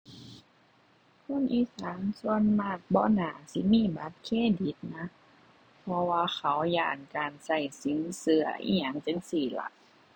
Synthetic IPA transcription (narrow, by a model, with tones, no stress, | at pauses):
kʰo˧˥˨nʔiː˧˥˨saː˨˦nsu˧ə˨nmaː˧˩t̪̚bɔː˧˥˨naː˧˩si˧˦miː˧˥˨ba˧˦t̪̚kʰeː˧˥˨di˨˦t̪̚na˧˥ | pʰɔ˧waː˧xʰa˨˦wjaː˧˩nkaː˨nsa˧˩jsi˨˦nsɯ˧ɐ˧ʔḭː˧˩ɲa˧˩ŋt͡ɕe˧˦nsiː˨˩la̰˧˦k̚